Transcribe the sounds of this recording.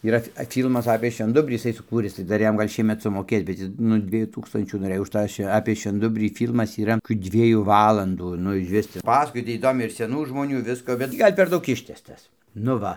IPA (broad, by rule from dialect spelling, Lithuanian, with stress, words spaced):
iːˈrɐ ɐ ˈfʲiːlˠmɐs ɐpʲeː ʃʲʋʲɛnˈdʊbʲrʲiː jɪˈsɐɪ sʊˈkuːrʲɪs tɐɪ ˈdɐr ˈjɛm ˈɡɐlʲ ˈʃʲiɛmʲɛt sʊmoːˈkʲeːs bʲɛt ˈjɪs nʊ ˈdʲʋʲiɛjuː ˈtuːkstɐnʲt͡ʃʲuː noːˈrɘj ʊʃ ˈtɑː ʃʲʋʲɛ ɐpʲeː ʃʲʋʲɛnˈdʊbʲrʲiː ˈfʲiːlˠmɐs iːˈrɐ kʲuː ˈdʲʋʲiɛjuː ˈʋɑːlˠɐnduː ˈnʊ ɪʃʲˈʋʲɪs ˈpɑːsɐkoːj ˈtʲiː iːˈdoːmʲɛɪ ɪr sʲɛˈnuː ʒmoːˈnʲuː ˈʋʲɪskoː bʲɛt ˈtʲiː ˈɡɐlʲ pʲɛr ˈdɐʊk ˈɪʃʲtʲæːstɐs nʊ ˈʋɐ